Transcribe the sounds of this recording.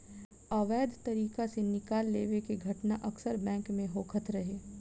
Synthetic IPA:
aːʋɛːd̪ʱt̪ɐɾiːkasenɪkaːlːeːʋekeɡʱɐʈnaʔɐksəɾbɛ̃ːŋkmẽɦoːkʰət̪ʰɾɐɦeː

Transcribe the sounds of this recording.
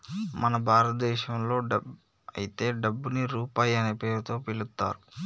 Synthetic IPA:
mɐnɐbʱaːɾɐt̪ɐd̪ɛːʃɐmlo̞ːɐb | ɐ̰jit̪e̞ːɖɐbːuniɾuːpaːjɐneːpe̞ːɾut̪o̞ːpilut̪ːa̰ːɾu

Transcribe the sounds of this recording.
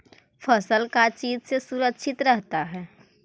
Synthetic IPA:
fəsəlkat͡ʃiːd͡ʒsesuɾəkʃɪt̪ɾɛɦt̪aɦɛː

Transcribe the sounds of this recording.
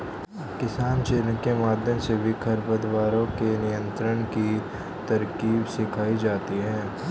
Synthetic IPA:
kɪsaːnʃeːɾnəkemaːd̪ʱjəmsebʱikʰɐɾpəd̪waːɾõkenɪjə̃nt̪ɾəñki | t̪ɐɾkiːbsɪkʰaːid͡ʒaːt̪iɦɛ̃ː

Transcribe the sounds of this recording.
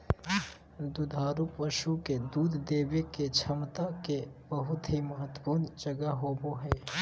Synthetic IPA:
d̪ud̪ʱaːɾupəʃuked̪uːd̪ʱd̪eːʋeket͡ʃʰəmt̪akebəɦʊt̪ɦimɐɦət̪ːəpuːnd͡ʒəɡaɦoːboɦɛː

